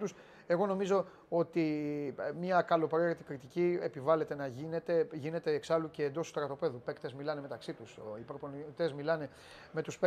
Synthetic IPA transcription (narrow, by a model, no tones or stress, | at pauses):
t̪us | e̞ɣo̞no̞mizo̞ | o̞t̪i | mɲɐkɐlo̞pɾeɾet̪ikɾit̪iciepivɐle̞t̪e̞nɐʝine̞t̪e̞ʝine̞t̪e̞ːksɐluce̞ːnd̪o̞sst̪ɾɐt̪o̞pe̞ðupe̞kt̪e̞zmilɐne̞me̞t̪ɐksit̪usipɾoponit̪e̞zmilɐne̞ | me̞t̪uspe